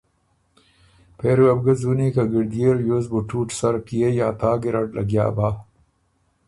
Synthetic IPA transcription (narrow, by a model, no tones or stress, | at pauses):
peɾuɐb̚ɡɐzunikaɡiɾd̪ijeɾjozbuʈuːʈsɐɾkijejaːt̪aːɡiɾɐʈlʔɐ̰ɡja̰ːbaː